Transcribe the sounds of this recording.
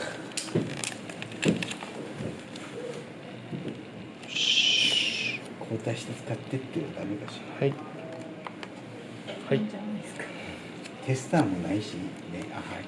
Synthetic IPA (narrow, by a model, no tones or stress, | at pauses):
kʰoːt̪aɕi̥t̪et͡sɨ̥kat̪ːe̥t̪ːeod̪ameɡaɕi̥ | hiskḁ | t̪ʰe̞sɨ̥t̪aːmo̞naiɕineʔa̰ha